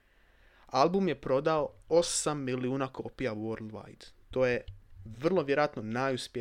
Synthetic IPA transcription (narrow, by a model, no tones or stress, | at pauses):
alˠbumje̞pɾo̞d̪aoo̞samːiliuːnakʰo̞pijawoɾlʋa̰jd̪̥t̪o̞ːjeʋr̩lˠoʋjeɾoat̪no̞najuspe